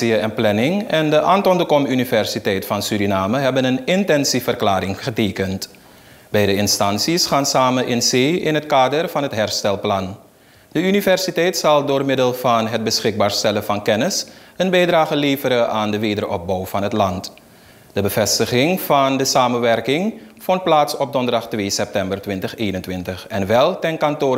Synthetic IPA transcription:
iəɛnplɛnɪŋɛndəʔaːntɔndəkɔmynivɛɹsitɛjtfɑnsyɾinaːməɦɛbənənɪntɛnsifərklaːɾɪŋχəteːkənt | bɛjdəɪnstɑnsisχaːnsaːmənʔɪnzeːɪnɦətkaːdərvɑnɦətɦɛɹstɛlˠplɑn | d̥əynivɛrsitɛjtsɑlˠdʊːrmɪdəlˠvɑnɦət̚bəsχɪɡ̚baːɹstɛləvɑnkɛnɪs | ənbɛjdraːχəleːvəɾəʔaːndəʋeːdərʔɔp̚bɔwv̥ɑnɦətlɑnt | d̥əbəv̥ɛstəχɪŋvɑndəsaːmənʋɛrkɪŋfɔnt̚plaːtsɔp̚dɔndərdɑχtʋeːsɛp̚tɛmbərtʋɪntəχeːnəntʋɪntəχɛnʋɛlˠtɛnkɑnto

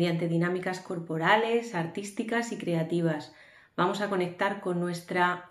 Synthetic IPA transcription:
jant̪e̞ðinãmikasko̞ɾpo̞ɾale̞saɾt̪ist̪ikasikɾe̞at̪iβ̞as | bamo̞sako̞ne̞k̚t̪aɾko̞nːwe̞st̪ɾa

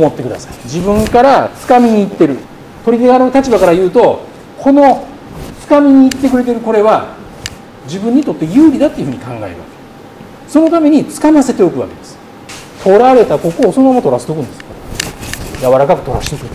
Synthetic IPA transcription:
mo̞t̪ːe̞kɯ̟d̪asḁid͡ʑibɯ̟̃ŋkaɾat͡sɨ̥kamʲiɲ̟iːt̪ːe̞ɾɯ̟ | t̪o̞ɾʲid̪eɡaɾeɯt̪at͡ɕibakaɾajɯ̟ːt̪o̞ | kʰo̞no̞ | t͡sɨ̥kamʲiɲ̟iːt̪ːe̞k̬ɯ̟ɾe̞t̪̬eɾɯ̟ko̞ɾe̞βa | d͡ʑibɯ̃ɲ̟ːit̪o̞t̪ːe̞jɯːɾʲid̪at̪ːeiɯ̟ɸɯ̟ɲ̟ikãŋɡae̞̰ɾɯ̟βa̰ke | so̞no̞t̪ame̞ɲ̟it͡sɨ̥kamase̞t̪e̞o̞kɯ̟βa̰ke̞d̪esɨ̥ | t̪ʰo̞ɾaɾe̞t̪ako̞ko̞ːso̞nomamat̪o̞ɾast̪ekɯ̟̃nd̪e̞sɨ̥ | jaβaɾakakɯ̟̥t̪o̞ɾasi̥t̪ekɯ̟n

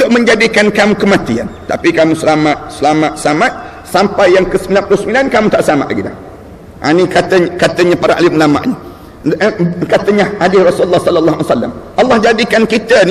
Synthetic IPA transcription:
t̪ʊʔ̚mə̃ɲd͡ʒadikankamũkəmat̪ia̰nt̪a̰pikamũsəlamat̪̚səlamaʔ̪səamat̪̚ | sampajjaŋkəsəmilanpɾosəmilankamũt̪aʔsəlama̰ʔlaɡila̰h | ʔa̰nikat̪əɲkat̪əɲapaɾaʔa̰limlama̰ʔɲa | kat̪əɲahadɪhrɔsuləlːɑhsɔlːəlːaasalːa̰mʔalːɑhd͡ʒadikankit̪ən

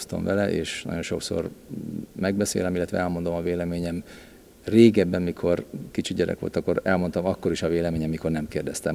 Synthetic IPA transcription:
st̪ɒ̰mvɛlɛʔeːʃnɒ̰ɟo̞nʃo̞̰kso̰r | mɛɡ̚bɛsḛːlɛmilːɛt̪ʋɛ̰ɛlmo̞nd̪o̞mɒveːlɛmeːɲɛm | reːɡɛbːɛmːikʰo̞rkit͡ʃiɟɛɾɛ̰kʋo̞̰lt̪ɒkːo̞ɾɛlmont̪ɒmɒkːo̞ɾiʃɒveːlɛmeːɲɛmːiko̞rnɛmkeːrd̪ɛst̪ɛm

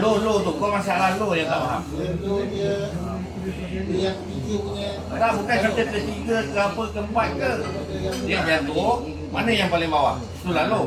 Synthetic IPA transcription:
lolot̪ukomas̬aʔlalojaŋt̪a̰ʔbaɦa̰ʔ | daʔbukansat̪ət̪əst̪iɡək̪əapəlkəmbat̪̚kə | diaʔjat̪u | manəjaŋpalɪŋbawa̰ʔ | t̪ulalo

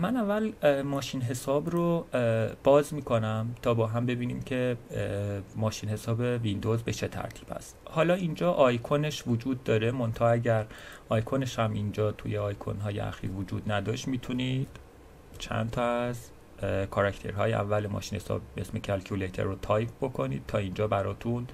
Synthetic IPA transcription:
mænævːælmɒːʃiːnɦe̞sɒːbɾo | b̥ɒːzmiːkʰo̞næmt̪ʰɒːbɒːɦæmbe̞biːniːmcʰe̞ | mɒːʃiːnhe̞sɒːbevind̪o̞zbet͡ʃʰe̞t̪ʰæ̰ɾt̪ʰiːb̥hæ̰st̪hɒːlɒːind͡ʒɒːʔɒːjkʰone̞ʃvod͡ʒuːd̪̚ːɒːɾe̞mo̞nt̪ʰɒæɟæɾ | ɒːjkʰoneʃhæmind͡ʒɒːt̪ʰṵjeɒːjkʰo̰nɦɒːjḛæ̰xḭːɾvod͡ʒuːd̪næd̪ɒːʃt̪miːt̪ʰunid̪̥ | t͡ʃʰæ̰nt̪ʰɒæz | kʰɒɾæct̪ʰe̞̰ɾɦɒ̰ːjeʔæ̰vːælemɒ̰ːʃinhesɒ̰ːbe̞̰sme̞cʰælkʰulejt̪ʰḛɾːot̪ʰɒːjpbo̞kʰo̞nḭd̪̚t̪ʰːɒːind͡ʒɒːbæɾɒːt̪ʰun

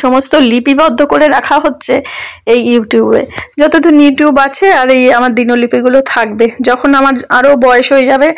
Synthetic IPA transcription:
ʃɔmost̪olipibɔd̪ʱːokoɾeɾakʰaɦotːɕʰeejuʈjubḛd͡ʑɔt̪od̪onjuʈjubat͡ɕʰeaɾejamaɾd̪inolipiɡulot̪ʰak̚bed͡ʑɔkʰonamaɾaɾobɔeeʃɦojed͡ʑabe

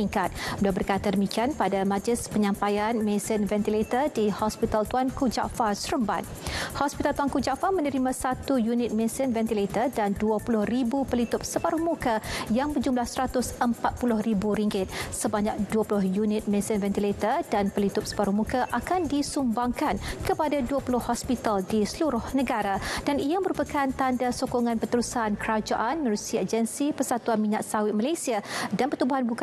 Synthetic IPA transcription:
iŋkat̪̚bəliabərkat̪adəmikianpadamad͡ʒɪspəɲãmpajanmẽsɪnvɛnt̪ilet̪ərdihɔspit̪alt̪uankud͡ʒa̰ʔfasɾəmba̰n | hɔspit̪alt̪uwankud͡ʒaʔfamə̃nəɾimãsat̪ujunɪt̪̚mẽsɪnvɛnt̪ilet̪ərdanduapulʊhribupəlit̪ʊp̚səbaɾumukajaŋbəd͡ʒumlahsəɾat̪ʊsəmpat̪̚pulʊhribuɾiŋɡɪt̪̚səbaɲak̚duapulʊɦjunɪt̪̚mɛisənvɛnt̪ilet̪ərdanpəlit̪ʊp̚sə̥baɾuhmũkaʔakandisumbaŋkankəpadaduapulʊhːɔspit̪aldisəluɾʊhnə̃ɡaɾad̥aniamə̃ɾupakant̪andasokɔŋãnpət̪əɾusankəɾad͡ʒaʔanmənusiad͡ʒənsipərsat̪uanmiɲaʔsawɪt̪̚malajsiadanpət̪ubuɦanbuk

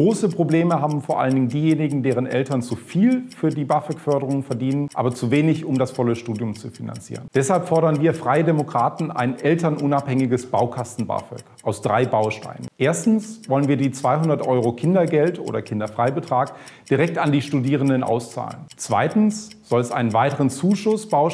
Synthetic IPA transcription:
ɡ̥ʁoːsəpʁ̥obleːməɦaːbm̩foːɐʔa̰ləndɪŋdiːjeːnɪɡŋ̩deːʁənʔɛ̰ltɐnt͡sufiːlfyːɐdiːbafɛkfœɐdəʁ̞ʊŋfɛɐdiːnənʔa̰ːbɐt͡suveːnɪçʊmdasfɔləʃtuːdjʊmt͡sufina̰nt͡sḭːʁənd̥ɛshalpfɔɐɾɐnviːɐfʁ̥aɪədemokʁ̥aːtn̩ʔa̰ɪnʔɛltɐnʔʊnaphɛŋɪɡəsb̥aʊkʰastn̩ba̰ːfɛ̰kʔaʊsd̥ʁaɪbaʊʃta̰ɪnə̰nʔeːɐstn̩svɔlənviːɐdiːt͡sv̥aɪɦʊndɐtʔɔʏʁokʰɪndɐɡɛltʔo̰ːdɐkʰɪndɐfʁ̥aɪbətʁ̥aːkd̥iʁɛk̚tandiːʃtudiːʁ̞əndənʔa̰ʊst͡sa̰ːlənt͡sv̥a̰ɪtn̩sz̥ɔlɛsʔaɪnənvaɪtəʁənt͡suːʃʊsb̥aʊ

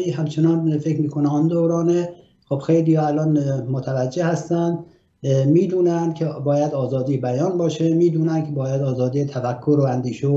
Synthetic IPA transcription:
iɦæmt͡ʃʰenɒːnfekmiːkʰoneɒnd̪owɾɒːne | xob̥xejliːhɒːælɒːnmot̪ʰævæd͡ʒːehæst̪ænd̪ | miːd̪uːnænd̪kʲʰebɒːjæd̪ɒːzɒːd̪iːbæjɒːnbɒːʃemiːd̪uːnænkʰebɒːjæd̪ɒːzɒːd̪iːet̪ʰæfækʰːoɾoænd̪iːʃe

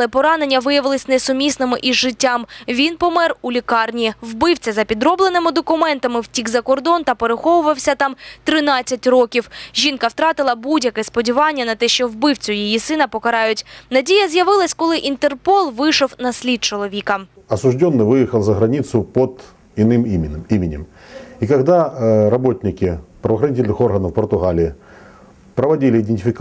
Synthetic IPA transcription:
ɐlˠɛpɔɾɑne̞nʲːɐʋɪjɐʋɪlˠɪsʲnɛsʊmʲisnɪmɪʔiʒɪtʲːɑmʋʲinpɔmɛrulʲikɑrnʲiwbɪwt͡sʲɐzɐpʲid̪ɾɔblˠenɪmɪd̪ɔkʊmɛnt̪ɐmɪwtʲiɡzɐkɔrd̪ɔnt̪ɐpeɾɪxɔʋʊʋɐwsʲɐt̪ɑmt̪ɾɪnɑt͡sʲːɐtʲrɔkʲiwʒʲinkɐwt̪ɾɑt̪ɪlˠɐbudʲjɐkɛspɔdʲiʋɑnʲːɐnɐt̪ɛʃt͡ʃɔwbɪwt͡sʲʊjijisɪnɐpɔkɐɾɑjʊtʲnɐdʲijɐzʲjɐʋɪlˠɐsʲkɔlˠɪʔint̪erpɔlˠʋɪʃɔwnɐsʲlʲid̪̚t͡ʃɔlˠɔʋʲikɐ | ɐsʊʐdʲonːɨjvɨjɪxəlˠzəɣɾɐnʲit̪sʊpod̪ | ɪnɨmimʲɪimʲɪnʲɪ̰mikɐɣd̪aɾɐbo̞tʲnʲɪkʲɪpɾɐʋɐxɾɐnʲitʲɪlʲnɨxo̞rɣɐnɐfpɐrt̪ʊɣalʲɪɪ | pɾɐʋɐdʲilʲɪɪd̪enʲtʲɪfʲɪk

